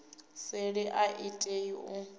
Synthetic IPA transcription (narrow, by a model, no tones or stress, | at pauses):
sɪɺɪʔaʔitʼeiʊ